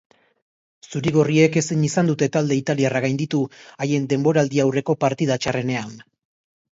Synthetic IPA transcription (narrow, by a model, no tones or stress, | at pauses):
suɾiɣorie̞ke̞siɲisand̪ut̪e̞t̪ald̪e̞it̪aliaraɣ̞ajnd̪it̪uaje̞nd̪e̞mbo̞ɾaːld̪iawre̞ko̞paɾt̪ið̞at͡ʃare̞ne̞an